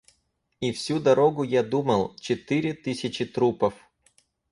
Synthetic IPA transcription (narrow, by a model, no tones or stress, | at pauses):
ifsʲud̪ɐɾoɡʊjad̪umɐlˠt͡ɕɪt̪ɨɾʲɪt̪ɨsʲɪt͡ɕɪt̪ɾupɐf